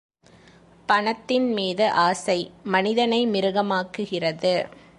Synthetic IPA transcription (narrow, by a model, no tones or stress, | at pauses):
pɐɳɐt̪ːɪnmiːðɯʔaːsɐɪmɐnɪðɐnɐɪmɪɾɯɣɐmaːkːɯɣɪrɐðɯ